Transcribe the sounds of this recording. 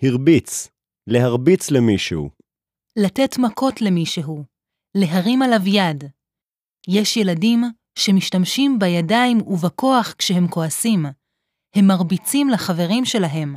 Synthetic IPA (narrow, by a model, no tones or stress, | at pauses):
hiʁbit͡s | le̞ɦaʁbit͡slemiʃṵ | late̞tmakʰo̞tle̞miʃeɦu | le̞ɦaʁimalavjad | jeʃje̞ladim | ʃe̞miʃtamʃimbajadaimuvako̞aχkʃeɦe̞mko̞asim | he̞mːaʁbit͡simlaχave̞ʁimʃe̞laɦe̞m